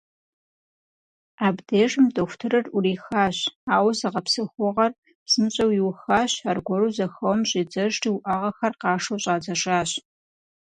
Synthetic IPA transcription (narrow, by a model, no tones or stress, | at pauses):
aːbdeːʐɨmdoxʷʊtʰɨrɐrʔʊriːxaːɕaːwzɐʁɐpsɨxʷʊʁɐr | sɨmɕʼɐwjiwʊxaːɕarɡʷɔruzɐxɐwmɕʼiːd͡zɐʒtiwʊʔaʁɐxɐrqɑːʂɐwɕʼaːd͡zɐʂʼaːɕ